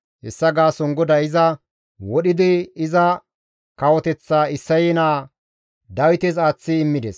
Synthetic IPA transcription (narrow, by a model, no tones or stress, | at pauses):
ɛsːɐɡaːsɔŋɡɔd̪ɐɪzɐ | wɔɗɪd̪ɪɪzɐ | kɐwɔt̪ɛt͡sːaːɪsːɐjɛnaː | d̪ɐwɪt̪ɛzaːt͡sːɪːmːɪd̪ɛs